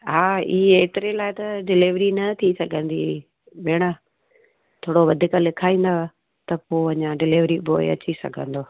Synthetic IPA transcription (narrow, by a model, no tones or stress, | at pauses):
ɦaːieːt̪ɪɾelaːɪt̪ɐɖɪlɪʋɾinɐt̪ʰisɐɡʱə̃nd̪i | beːɽ̃ə | t̪ʰoːɽoʋɐd̪ʱɪkalɪkʰaːĩːn̆d̪a | t̪ɐpoːɐɲãɖɪlɪʋɾiboːɪ̰ɐ̰t͡ɕisɐ̰ɡʱə̰̃nd̪oː